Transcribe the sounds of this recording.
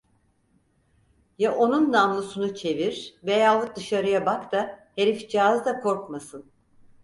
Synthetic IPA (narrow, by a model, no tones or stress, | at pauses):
jaʔonunːamlˠusunut͡ʃʰe̞viɾ̥vejalˠɯk̚d̪ɯʃaɾɯjabakt̪ʰahe̞ɾifd͡ʒiazd̪akʰo̞ɾkmasɯn